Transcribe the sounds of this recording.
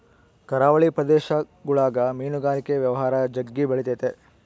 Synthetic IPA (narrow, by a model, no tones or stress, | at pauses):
kɐɾaːʋɐɭipɾɐd̪eːʃɐ | ɡuɭaːɡɐmiːnuɡaːlikeʋjɐʋɐɦaːɾɐd͡ʒɐɡːibɐɭit̪et̪e